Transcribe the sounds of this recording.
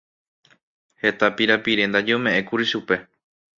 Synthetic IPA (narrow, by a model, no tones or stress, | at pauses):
he̞t̪apiɾapiɾẽ̞nd̪ad͡ʒeomẽ̞ʔẽ̞kuɾiʃupe̞